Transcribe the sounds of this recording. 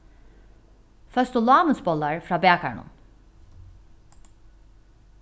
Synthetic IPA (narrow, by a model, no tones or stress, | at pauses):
fœst̪ulˠaːmɯsbɔlˠːaɾfɾaːbɛakʰaɾnṵn